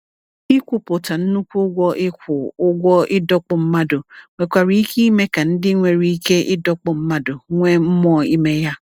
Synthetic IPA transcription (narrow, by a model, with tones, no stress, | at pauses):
i˦kʷu˨pʊ˨ta˨n̩˦nu˦kʷu˦ɡʷɔ˦ʔɪ˦kʷʊ˨ʊ˦ɡʷɔ˦ɪ˦dɔ˦k͡pʊ˨m̩˦ma˦dʊ˨ŋʷe˨kʷa˨ɾi˦i˦kʰi˦i˦me˦ka˨n̩˦dɪ˦ŋʷe˨ɾi˦i˦ke˦ʔɪ˦dɔ˦k͡pʊ˨m̩˦ma˦dʊ˨ŋʷe˦m̩˦mɔ˦˨i˦me˦ja˦